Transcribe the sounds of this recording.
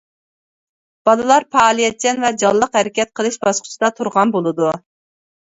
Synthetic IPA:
b̥ɑlˠɨlˠɑɾpʰɑːlˠijɛt̪̚t͡ʃʰɛnvɛd͡ʒɑlˠlːˠəqhɛɾɪkʲɛt̪̚qʰəlˠɨʃbɑsqʰʊ̥t͡ʃʰid̪ɑt̪ʰuɾʁɑnbolˠɨd̪u

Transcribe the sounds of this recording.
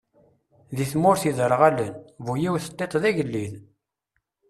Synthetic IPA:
ðiθmʊɾθiðəɾəʁælənvujiwθə̥t̪ˤːet̪ˤðæʝəlːið

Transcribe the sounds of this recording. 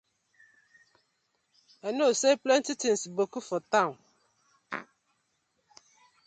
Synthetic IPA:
ɛnõseplɛn̩tɪtʰɪn̩sibokufɔt̪ã

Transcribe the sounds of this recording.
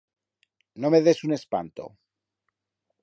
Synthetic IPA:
nomeðe̞sune̞spa̰nt̪o̰

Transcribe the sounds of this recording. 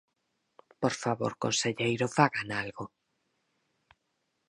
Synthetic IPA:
poɾfaβo̰ɾkonseʎejɾofaɣanalɣo

